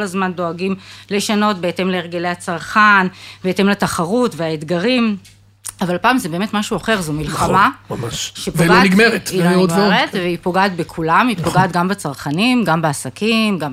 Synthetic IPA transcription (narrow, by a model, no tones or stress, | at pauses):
olazmando̞aɡimle̞ʃano̞t̚beete̞mleːʁɡelehat͡saʁχanbeete̞mlataχaʁutveaed̪ɡaʁim | avalpaːmzebe̞ːme̞tmaʃuaχe̞ʁzumilχamamaʃʃepveɡloniɡmeʁet̪iootʁet̪veipo̞ɡaːt̪bekʰulamipoɡaːt̪ɡambet͡saʁχanimɡambeasakimɡa